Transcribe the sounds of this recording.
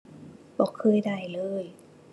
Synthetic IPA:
bɔː˧˩kʰɤː˧˥˩jda˧˩jlɤː˧˩j

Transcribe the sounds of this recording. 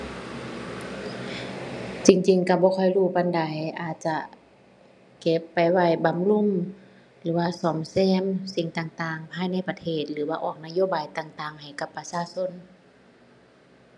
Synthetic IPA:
t͡ɕi˧ŋt͡ɕi˧ŋka˧˩bɔː˧kʰɔ˧˩jluː˧˩pa˧˨nda˨˦jʔaː˨˩t̪̚t͡ɕa˧ | ke˧˦pːa˨˩jwa˧˩jba˧˨mlu˧˥˨m | lɯː˨˦waː˧˨sɔː˨˩˦msɛː˧˥˨msi˧˩ŋt̪aː˨˩ŋt̪aː˧˩ŋpʰaː˧˨jna˧˥˨jpa˧t̪ʰeː˧˩t̪̚lɯː˨˦waː˧ʔɔː˧˩k̚na˧˨joː˧˨baː˨˩jt̪aː˧˩ŋt̪aː˧˩ŋha˨˩jka˧pːa˧saː˧˨so˧˥˨n

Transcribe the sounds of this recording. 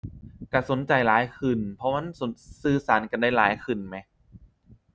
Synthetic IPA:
ka˧˩so˨˩˦nt͡ɕa˨˩jlaː˨˦jkʰɯ˨˩npʰɔ˧ma˧˥˨nso˨˦nsɯː˧˩saː˩˦nka˧˨nda˥˩jlaː˨˩˦jkʰɯ˨˩nma˧˦

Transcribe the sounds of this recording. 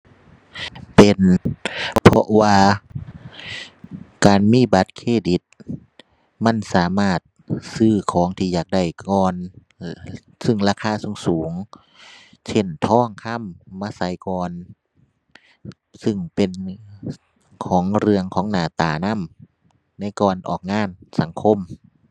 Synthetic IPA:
pe˨n | pʰɔ˧ʔwaː˧ | kaː˨nmiː˧˥˨ba˨˧˦t̪̚kʰeː˧˩˨di˨˦t̪̚ | ma˧˥˨nsaː˨˦maː˧˩t̪̚sɯː˧˩kʰɔː˨˦ŋt̪ʰiː˧jaː˨˩k̚da˧˩jkɔː˧n | sɯ˧˩˨ŋlaː˧kʰaː˧˥˨su˧˦ŋsuː˨˦ŋ | sʰe˧˩˨nt̪ʰɔː˧˥˩ŋkʰa˧˥˨mːaː˧˥˨sa˨˦jkɔː˧n | sɯ˧˩ŋpe˨n | kʰɔː˨˦ŋɾɯ˧əŋkʰɔː˨˦ŋnaː˨˩t̪aː˨˩na˧˥˨m | na˧˥˨jkɔː˧˩nʔɔ̰ː˨˩k̚ŋaː˧˥˨nsa˨˦ŋkʰo˧˥˨m

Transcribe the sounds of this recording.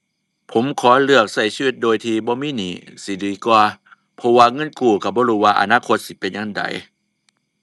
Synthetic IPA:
pʰo˨˦mkʰɔː˨˦lɯ˧˩ək̚sa˧˩jsiː˧wi˧t̪̚doː˨jt̪ʰiː˧bɔː˧˦miː˧˥˨niː˨˦si˨˦diː˨˦kwaː˧ | pʰɔ˧waː˧ŋɤ˧˥˨nkuː˧˩ka˧˩bɔː˧˦ɾuː˧˩waː˧ʔa̰˧naː˧˥˨kʰo˧t̪̚si˧˦pe˨nja˧˥˨ŋda̰˨˦j

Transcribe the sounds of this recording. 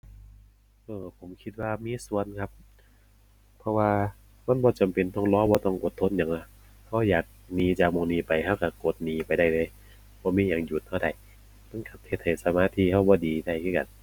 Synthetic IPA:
ʔɤː˧pʰo˨˦mkʰi˧t̪̚waː˧˩miː˧˥˨su˧˨ənkʰa˧˥p̚ | pʰːɔ˧waː˧ | ma˧˥˨nbɔː˧˦t͡ɕa˨˩mpe˨nt̪ɔ˧˩ŋlɔː˧˥˨bɔː˧˦t̪ɔ˧˩ŋʔo˨˩t̪ʰːo˧˥˨njaː˨ŋla˧˩ | ha˧˥˩wjaː˨˩k̚niː˨˧t͡ɕaː˨˩k̚mo˧˩ŋniː˧˩pa˨˩jhʰa˧˥˩wka˧˩ko˨˩t̪̚niː˨pa˨jda˧˩jlɤː˧˥˨j | bɔː˧˦miː˧˥˨jaː˨˩ŋju˨˩t̪̚ha˧˩da˧˩j | ma˧˥˨nkʰa˨˧˩t̚he˧t̪̚ha˨˩jsa˧maː˧˥˨t̪ʰiː˧˥˨ha˧˥˩wbɔː˧˦diː˨da˧˩jkʰɯː˧˥˩ka̰˨n

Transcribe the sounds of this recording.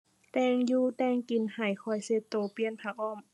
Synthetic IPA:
t̪ɛː˧˩ŋjuː˧t̪ɛː˧˩ŋki˨˩nha˨˩jkʰɔ˧˩jse˧˦t̪ːoː˧pi˧˨ənpʰa˧k̚ʔɔː˧˥˨m

